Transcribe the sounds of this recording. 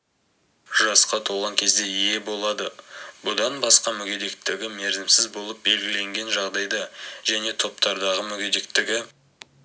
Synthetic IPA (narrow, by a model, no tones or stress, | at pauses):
ʒɑsqɑt̪ʰoʁɑŋkʲʰe̞zd̪e̞ije̞bo̞lˠɑd̪əbʊd̪ɑnbɑsqɑmʏɡʲed̪e̞kt̪ɪɡʲɪme̞ɾzɪmsɪzbo̞lˠəp̚be̞lɡʲɪle̞ŋɡʲe̞nʒɑʁd̪ɑjd̪ɑʒæne̞t̪ʰo̞pt̪ɑɾd̪ɑʁəmʏɡʲed̪e̞k̚t̪ɪɡʲɪ